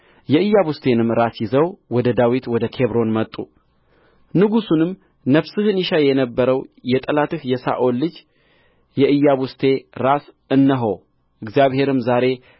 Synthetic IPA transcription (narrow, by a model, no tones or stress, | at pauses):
jɛɨjːaβust̪ʰe̞nɨmɾasjɪzəwwɔd̪əd̪awit̪wɔd̪əkʰe̞βɾo̞nmət̪ʼːu | nɨɡusunɨm | nəβsɨhɨniʃajɛnəbːəɾəwjɛt̪ʼəlat̪ɨhjɛsa̰ʔo̞lːɨd͡ʒ | jɛʔɨjːaβust̪ʰe̞ɾas | ɨnːəɦow | ʔɨɡzjaβhe̞ɾɨmzaɾe̞